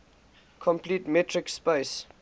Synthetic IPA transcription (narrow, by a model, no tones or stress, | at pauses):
kʰɔ̃mpliːtmɛtʰɹɪkspes